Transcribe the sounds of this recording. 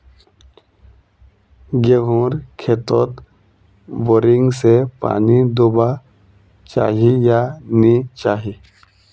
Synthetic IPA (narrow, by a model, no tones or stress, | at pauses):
ɡeɡõːɾkʰet̪o̰t̪ | boːɾɪŋɡsepa̰ːnid̪oba | t͡ʃa̰ːɦijanit͡ʃaːɦi